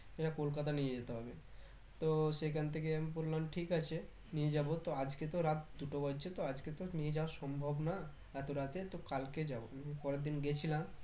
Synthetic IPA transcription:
eʈakolkat̪anied͡ʑet̪eɦɔbe | t̪oʃekʰant̪ʰekeamipoɾlanʈʰikat͡ɕʰe | nied͡ʑabot̪oad͡ʑket̪oɾat̪̚d̪uʈoɡɔt͡ɕʰet̪oad͡ʑket̪onied͡ʑaoaʃɔmbʱobna | ɾat̪oɾat̪et̪okalked͡ʑaboamipɔɾed̪inɡet͡ɕʰilam

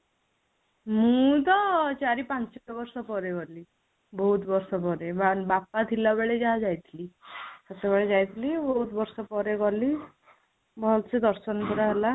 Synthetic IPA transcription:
mũt̪̬ɔt͡ʃaɾipant͡ʃɔbɔɾsɔpɔɾeɡɔli | bɔɦut̪bɔɾsɔpɔɾebabapat̪ʰilabeɭed͡ʒaɦad͡ʒajt̪ʰilisɔt̪ebeɭed͡ʒajt̪ʰilibɔɦut̪bɔɾsɔpɔɾeɡɔli | bɔlsed̪ɔɾsɔnɔkuɾaɦela

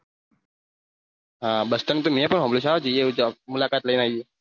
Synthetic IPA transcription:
ɦãbəst̪ənt̪um̤iapənɦɔ̃mbluɕad͡ʑijeud͡ʒamulakat̪ləinai

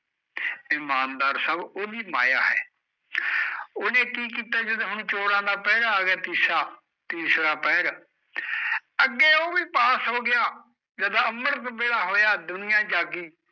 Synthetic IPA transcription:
ɪmaːnd̪aːɾsaːboːd̪iːmaːjaːɦɛ̰ː | oːnẽːkiːkiːt̪aːd͡ʒəd̪õːɦʊɳt͡ʃoːɾãːd̪aːpɛːɾaːɡɛːt̪iːsɾaː | t̪iːsɾaːpɛːɾː | əɡːeːoːʋiːpaːsɦoːɡɪjaː | d͡ʒəd̪ãːəməɾt̪beːɽaːɦoːjaːd̪ʊnɪjãːd͡ʒaːɡiː

